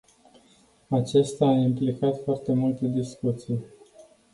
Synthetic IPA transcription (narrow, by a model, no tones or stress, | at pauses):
at͡ʃest̪aːimplikat̪foart̪e̞mult̪e̞d̪iskut̪sij